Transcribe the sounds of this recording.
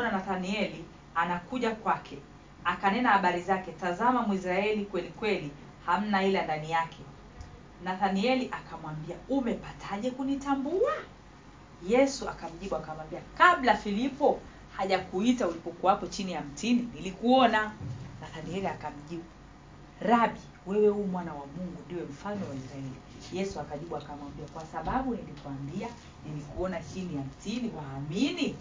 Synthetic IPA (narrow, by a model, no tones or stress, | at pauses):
ɔnanaθaniɛli | anakuʄakwakʰɛ | akanɛnahaɓaɾizakɛtazamamwis̬ɾaɛlikwɛlikwɛli | ham̩nahilandanijakʰɛ | naθaniɛliʔakʰamwambiaumɛpatʰaʄɛkunitambua | jɛsua̰kam̩ʄiɓuakamwambiakaɓlafilipɔ | haʄakuitaulipɔkuwapɔt͡ʃinijam̩tininilikuɔnanaθaniɛliakam̩ʄiɓu | ɾaɓi | wɛwɛhumwanawamuŋɡundiwɛm̩fanɔwaisɾaɛli | jɛsuakaʄiɓuakamwambiakwasaɓaɓunilikuambia | nilikuɔnahiniam̩tiniwaːmini